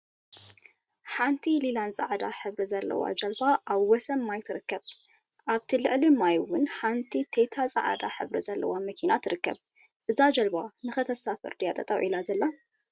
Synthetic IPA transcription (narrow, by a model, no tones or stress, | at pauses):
ħant̪ʰililanzʼaʕad̪aħɨβɾizɐlːɐ̰wa̰d͡ʒɐlbaʔaβwɔsɐmːajt̪ʰɨɾɨkːɐβʔaβt̪ʰilɨʕlimajwʊnħant̪ʰit̪ʰet̪ʰasʼɐʕa̰d̪aħɨβɾizɐlːɐ̰wamɐkʰinat̪ʰɨɾɨkːɐ̰βʔɨzad͡ʒɐlbanɨxɨt̪ʰɐsafɨ̰ɾd̪ijat̪ʼɐt̪ʼɐwʕilazɐlːa